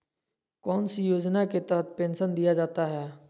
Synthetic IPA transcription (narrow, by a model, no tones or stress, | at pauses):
kɔːnsijoːd͡ʒnaket̪ɛɦət̪̚pẽːnʃənd̪ijad͡ʒaːt̪aɦɛː